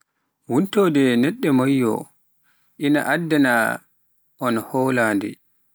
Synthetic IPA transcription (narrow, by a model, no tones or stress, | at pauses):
wuntɔdɛnɛɗːɛmajːɔ̰ | ʔina̰ʔadːɛna̰ | ʔɔnhɔːlaːndɛ̰